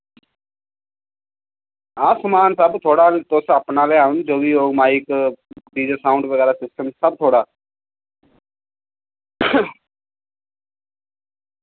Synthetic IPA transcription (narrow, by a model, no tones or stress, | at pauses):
aːsmaːnsəbt̪ʰoːɽaːlt̪ʊsəpnaːleːɦənd͡ʒoːʋiːoːmaːɪkɖiːd͡ʒəsaːʊɳɖʋəɣɛːɾaːsɪsʈəmsəb̚t̪ʰoːɽaː